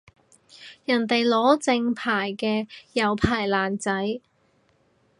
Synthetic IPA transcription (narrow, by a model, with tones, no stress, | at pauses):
jɐ˨˩nt̪e˨jlɔː˨˥t͡sɪ˧ŋpʰaː˨˩jkɛː˧jɐ˨˧wpʰaː˨˩jlaː˨˩nt͡sɐ˨˥j